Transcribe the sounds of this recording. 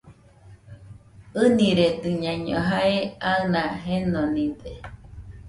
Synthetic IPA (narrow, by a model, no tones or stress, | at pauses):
ɨnĩɾet̪ɨɲãɲõ̰ɦaeanãɦenonĩd̪e